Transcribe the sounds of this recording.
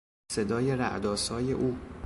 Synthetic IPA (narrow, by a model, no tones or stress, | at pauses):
se̞d̪ɒːje̞ɾæ̰ʔd̪ɒːsɒːje̞ʔuː